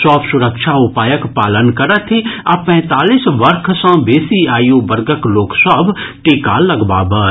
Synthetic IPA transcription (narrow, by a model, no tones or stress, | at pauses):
sɔːbsʊɾəkʃʰaʊpaːjəkpaːlənkɐɾət̪ʰiapɛ̃ːt̪aːliːsʋəɾkʰsãbeːsiaːjobɐɾɡəkloːksəbʱʈeːkalɐɡba̰ːbəː